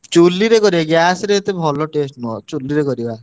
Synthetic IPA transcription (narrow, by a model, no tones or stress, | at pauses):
t͡ʃulːiɾekɔɾibaɡjasɾeːt̪ebʱɔlɔʈesʈnuɔt͡ʃulːiɾekɔɾiba